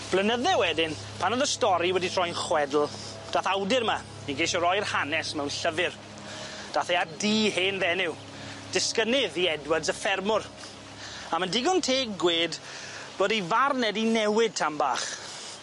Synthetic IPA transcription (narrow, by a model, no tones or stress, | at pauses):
b̥lənəðɛwɛdɪn | pʰanɔðəstɔɾiwɛditʰr̥ɔjnχwɛdl̩ˠ | d̥aːθawdɪɾma | iɡejʃɔɾɔjrhanɛsmɛwnɬəvɪr | d̥aːθɛadiːheːnðɛnɪw | d̥ɪskənɪðiɛdwədzəfɛrmʊr | amandɪɡɔntʰeːɡweːd | b̥oːdivarnɛdinɛwɪd̚tʰamba̰ːχ